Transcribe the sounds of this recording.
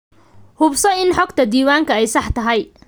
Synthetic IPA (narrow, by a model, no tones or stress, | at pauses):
hʊbsɐɪnħɔɡt̪ʰɐd̪iːwaːŋkʰɐɛjsɑħt̪ʰɐɦɛj